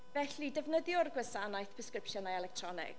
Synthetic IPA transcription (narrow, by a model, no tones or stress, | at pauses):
vɛɬidɛvnəðjɔrɡwɛsanajθpʰəskrɪpʃjɔnajɛlɛk̚tʰrɔnɪ̰k